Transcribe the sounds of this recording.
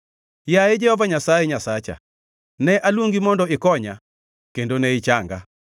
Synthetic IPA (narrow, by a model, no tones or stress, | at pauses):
jaed͡ʒɛhɔvaɲasaɛɲasat͡ʃa̰ | nɛʔalwoŋɡimɔndɔɪkɔɲa | kendonɛɪt͡ʃaŋɡa̰